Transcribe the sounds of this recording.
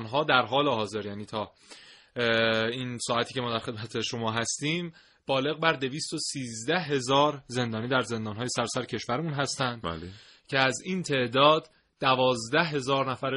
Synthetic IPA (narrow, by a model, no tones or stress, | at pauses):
nɦɒːd̪æɾɦɒːleɦɒːze̞ɾjæːniːt̪ʰɒː | iːnsɒːæt̪ʰiːcʰe̞mɒːd̪æɾxe̞d̪mæt̪ʰeʃo̞mɒːɦæst̪iːm | b̥ɒːle̞ɣbæɾd̪e̞viːst̪osiːzd̪æɦe̞zɒːɾze̞nd̪ɒːniːd̪æɾze̞nd̪ɒːnɦɒːje̞sæɾsæɾcʰe̞ʃvæɾemuːnɦæst̪ænd̪̰l | cʰeæziːnt̪ʰe̞ʔd̪ɒːd̪ː | ævɒːzd̪æɦe̞zɒːɾnæfæɾ